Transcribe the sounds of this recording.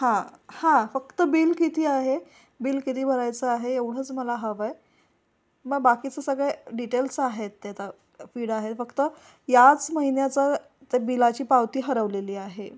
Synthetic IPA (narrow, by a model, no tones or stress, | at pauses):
hãhãfək̚t̪əbiːlkit̪ʰiːaɦe | biːlkit̪ʰiːbʱəɾajt͡səaɦeeʋɽ̤əːt͡sməlaɦəʋaj | məɡbakit͡səsəɡɭɛɖiʈelsaɦet̪ːat̪a | fiːɽaɦet̪fəkt̪ə | jat͡sməɦinjat͡sa | t̪ebilat͡ɕiːpawt̪iːɦəɾəʋleliːaɦe